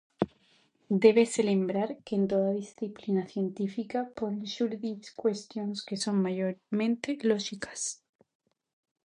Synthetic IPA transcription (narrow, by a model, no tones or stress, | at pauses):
d̪e̞βe̞se̞le̞mbɾaɾke̞ːnt̪o̞ðaðisθiplinaθje̞nt̪ifikaponenʃuɾðiskwe̞st̪jo̞nske̞so̞nmaʝoɾmẽ̞nt̪e̞lo̞xikʰḁs